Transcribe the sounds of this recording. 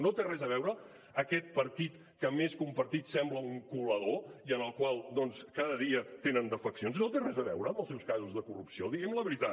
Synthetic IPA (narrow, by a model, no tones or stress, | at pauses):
not̪erɛzəβ̞ɛwɾəː | kɛt̪̚pəɾt̪it̪ | kəmeskumpəɾt̪it̪sɛmbləuŋkuləðoiənəlˠkwalˠd̪ɔnskaðəðiət̪enənd̪əfəksionsnot̪erɛzəβɛ̰wɾəːməlˠsɛwskazuzðəkurupsiod̪iɣɛmləβəɾit̪a